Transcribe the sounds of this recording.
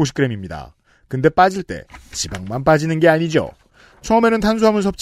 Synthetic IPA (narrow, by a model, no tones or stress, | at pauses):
oɕ̬ʰi̥k͈ɯɾe̞mimɲida̰ | kɯnde̞p͈ad͡ʑiɭt͈e̞̰t͡ɕibaŋmanp̬͈ad͡ʑinɯnɡe̞aɲid͡ʑo̰ | t͡ɕʰʌɯme̞nɯntʰans̬ʰuɦamɯnsʰʌp̚t͡ɕ͈